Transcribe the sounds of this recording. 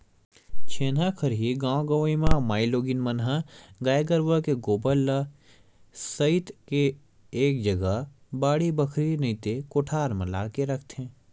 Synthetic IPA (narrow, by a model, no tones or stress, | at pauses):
t͡ʃʰeːnakʰəɾɦiɡãːw̃ɡɐʋimãmaːiloːɡɪnmɐnɦəɡaːjɡəɾʋəkeɡoːbəlːa | sɐɪt̪ke | eːk̚d͡ʒɐɡa | baːɽibɐkʰɾinɐit̪ekoʈʰaːɾmɐla̰ːkeɾɐkʰt̪ɦɛ̃ː